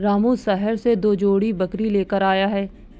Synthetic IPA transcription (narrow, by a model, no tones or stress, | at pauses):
ɾaːmũsɛɦəɾsed̪oːd͡ʒoːɽibɐkɾileːkəɾaːjaɦɛː